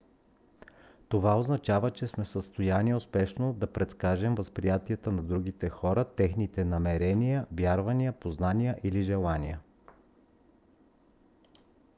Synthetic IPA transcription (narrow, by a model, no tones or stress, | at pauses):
t̪ovaoznɐt͡ʃavət͡ʃɛsmɛfsəst̪ojaniʊspɛʃnod̪ɐpɾɛt̪skaʒɛmvəspɾijat̪iət̪ənɐd̪ɾuɡit̪ɛxɔɾət̪ɛxnit̪ɛnɐmɛɾɛnijəvjaɾvɐnijəpoznanijəʔiliʒɛlˠanijə